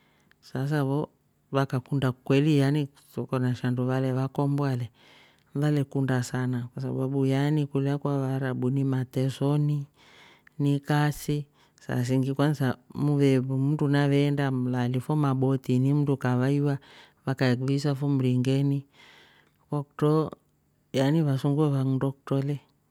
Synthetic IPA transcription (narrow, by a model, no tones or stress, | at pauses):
sas̬aβɔ | βakakundakwɛlijani | sɔkɔnaʃanduβalɛβakɔmbwalɛ | nðalɛkundasanakwasa̰ɓaɓujanikulakwaβaɾaɓunimatɛsɔni | nikasi | sa̰s̬iŋɡikwansamuβɛβum̩dunaβɛndam̩lalifɔmaɓɔtinim̩tukaβaiwa | βakakuβisafɔm̩ɾiŋɡɛni | kɔkutɔ | janiβasuŋɡuɛβaŋundɔkutɔlɛ